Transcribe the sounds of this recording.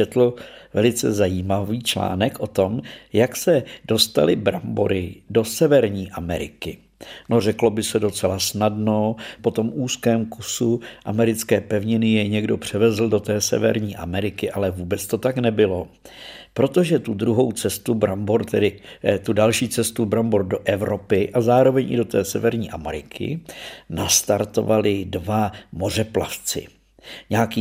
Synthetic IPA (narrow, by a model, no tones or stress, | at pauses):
ɛt̪l̩vɛlɪt͡sɛzajiːmaviːt͡ʃla̰ːnɛkʔo̞t̪o̞mjaksɛd̥o̞st̪a̰lɪbɾamboɾɪdo̞sɛvɛɾɲiːʔamɛɾɪ̰kɪ | no̞r̝ɛklo̞bɪsɛdo̞t͡sɛlasnadno̞po̞t̪o̞muːskɛːmkusuʔamɛɾɪt͡skɛːpɛvɲɪnɪjɛjɲɛɡdo̞pr̝̥ɛvɛzl̩do̞t̪ɛːsɛ̰vɛ̰ɾɲiːʔa̰mɛɾɪkɪʔalɛvuːbɛt͡st̪o̞t̪aknɛbɪlo̞ | pɾo̞t̪oʒɛt̪udɾuɦo̞wt͡sɛst̪ubɾamboɾt̪ɛdɪt̪udalʃiːt͡sɛst̪ubɾamboɾdoʔɛvɾo̞pɪʔazaːɾo̞vɛɲʔɪ̰do̞t̪ɛːsɛvɛɾɲiːʔamɛ̰ɾɪkʰɪ̰nast̪aɾt̪o̰valɪdvamo̞r̝ɛpla̰ft͡sɪ̰ | ɲaːki